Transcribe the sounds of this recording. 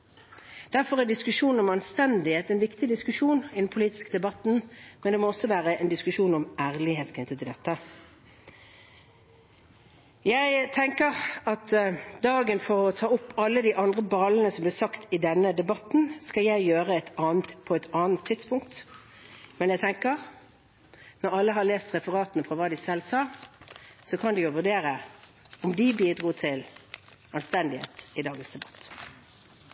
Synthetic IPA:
d̪̥æʁfɔʁæd̪ɪskʉʂuːnn̩ɔmɑnst̪ɛnd̪ɪheːt̪ɛnʋɪkt̪ɪd̪ɪskʉʂuːnɪd̪n̩pʰʊliːt̪ɪ̥skəd̪ɛbɑt̪n̩mɛnd̪ɛmɔɔsːɔʋæːʁəɛnd̪ɪskʉʂuːnɔmæːʁlɪheːt̪kʰɪnt̪ət̪ʰɪld̪ɛt̪ːə | jæɪt̪ʰɛŋkəʁɑt̪d̪ɑːɡənfɔʁɔt̪ʰɑːʊpːɑlːəd̪iːʔɑnd̪ʁəbɑːln̩əsɔmblɪːsɑkt̪ʰɪd̪ɛnːəd̪ɛbɑt̪n̩skɑljæɪjøːɾəɛt̪ɑːnt̪pʰɔɛt̪ɑːnt̪ʰːɪt̪spʊŋk̚t̪ | mɛnjæɪt̪ʰɛŋkəʁ | nɔɾɑlːəɦɑleːst̪ʁɛfəʁɑːt̪nəfʁɔʋɑːd̪ɪsɛlːsɑː | sɔkʰɑnd̪ɛjʊʋʉʁɖ̪eːɾə | ɔmd̪ɪbiːd̪ʁuːt̪ʰɪl | ɑnst̪ɛnd̪ɪhḛːt̪ɪd̪ɑːɡənsd̪ɛbɑ̥t̪ː

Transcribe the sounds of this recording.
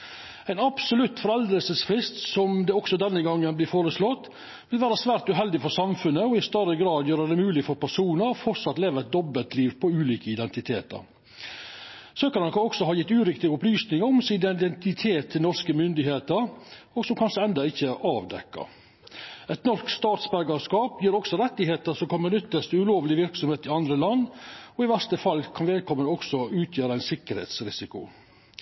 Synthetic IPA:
æɪnɑpsʊlʉt̪ːfɔɾɛld̪əlsəsfɾɪst̪sɔmd̪ɛɔksɔd̪ɛnːəɡɑŋːənblɪːfoːɾəslɔt̪ː | ʋɪlʋæːɾəsʋæːɾt̪ʉɦɛld̪ɪfɔsɑmfʉnːəɔɪst̪øɾəɡɾɑːd̪jøːɾəd̪ɛmʉːlɪfɔɾpʰæʂuːnəɾɔfɔɾsɑt̪leːʋəɾɛt̪̚d̪ɔbːəlt̪liːʋpʰɔʉːliːkəɪd̪ɛnt̪ɪt̪ʰeːt̪ə̰ɾ | søːkəɾnɔkəɔksɔhɑːjɪt̪ːʉːɾɪkt̪ɪɡəʊplyːsnɪŋəɾɔmsɪd̪ɛd̪ɛnt̪ɪt̪ʰeːt̪ʰːɪlnɔɾskəmʏnd̪ɪheːt̪əɾ | oːɡsɔmkʰɑnʂəɛnd̪ɑɪçːəʔɑːʋd̪ɛ̰kːɑ̰ | ɛt̪nɔʂkst̪ɑːt̪sbæɾɡəʂkɑːpjiːɾɔɡsɔɾɛt̪ːɪheːt̪əʂɔmkʰɑnmənʏt̪ːəst̪əʉloːʋlɪʋɪɾksɔmheːt̪ɪɑnd̪ɾəlɑnːɔɪʋæst̪əfɑlːkʰɑnʋɛːl̚kʰɔmːənɔksɔʉːt̪ʰjøːɾəæɪnsɪkːəɾhḛːt̪sɾɪsɪkʊ̰

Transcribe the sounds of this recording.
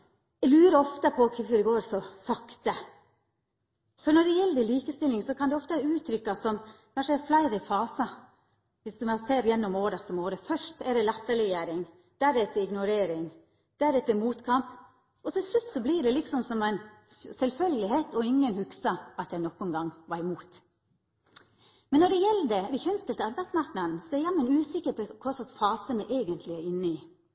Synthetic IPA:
ɛlʉːɾəɔft̪əpʰɔkʰɛfɾɛɡoːɾsɔsɑkt̪ə | fɔɾnɔɖɛjɛlːəd̪ɛliːkəst̪ɪlːɪŋsɔkʰɑnd̪ɛɔft̪əæɾʉːt̪ʰɾʏkːɑsɔmkʰɑnʂəɛflæɪɾəfɑːsɑ | ʋɪsd̪mɑseːɾjɛnːɔmoːɾɑsɔmoːɾəfœʂtɛɖ̪ɛlɑt̪ːəɾɛjeːɾɪŋ | d̪̥æːɖɛɛt̪ːɪɪɡnʊɾeːɾɪŋ | d̪̥ææɖɛt̪ʰɪmuːt̪kʰɑmp | ɔt̪ʰɪlslʉt̪sɔbliːɖɛlɪksɔmsɔmæɪnsɛlfœlɪɦeːt̪ɔɪŋːənhʉksɑɑt̪jæɪnɔkːʊnɡɑŋʋɑɾɪmuːt̪ | mɛnːɔɖɛjɛlːəd̪ɛd̪ɛçœnst̪əlt̪əɑɾbæɪd̪smɑɾknɑd̪n̩sɔɛɾjɑmːənʉːsɪkːəɾpɔkʰɔsɔsfɑːsənəʔeːɡənt̪ʰlɪæɾɪnːəɪː

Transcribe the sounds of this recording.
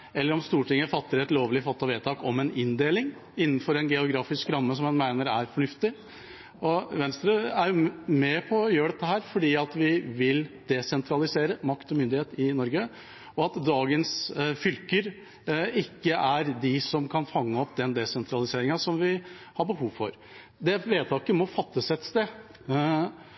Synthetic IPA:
ɛlːəɾɔmst̪uːʈɪŋːəfɑt̪ːəɾɛt̪loːʋlɪfɑt̪ːɑʋeːt̪ʰɑːkɔmɛnʔɪnd̪eːlɪŋ | ɪnːən̩fɔɾɛnɡɛʊɡɾɑːfɪskɾɑmːəsɔmɛnmæɪnəɾæɾfɔɳʉft̪ɪ | ɔʋɛnst̪ɾəæɾjʊmɛpʰɔjøːɖɛt̪ːəɦæːɾfɔɖiːɑt̪ʋɪʋɪld̪̥ɛsɛnt̪ʰɾɑlɪseːɾəmɑkt̪ɔmʏnd̪ɪheːt̪ɪnɔɾɡə | ɔɑt̪d̪ɑːɡənsfʏlkəɾ | ɪkːəʔæɾd̪ɪsɔmkʰɑnfɑŋːəɔpːd̪ɛnd̪ɛsɛnt̪ʰɾɑlɪseːɾɪŋɑsɔmʋɪ | hɑɾbəhuːʋfɔ̰ɾ | d̪ɛʋeːt̪ʰɑːkəmɔfɑt̪ːəsɛt̪st̪eː

